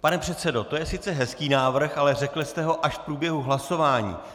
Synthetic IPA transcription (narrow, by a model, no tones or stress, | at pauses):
panɛpr̝̥ɛt̪sɛdo̞t̪o̞jɛsɪt̪t͡sɛɦɛskiːnaːvr̩xalɛrɛklɪst̪ɛɦo̞ʔaʃfpɾuːbjɛɦuɦlaso̞vaːɲḭː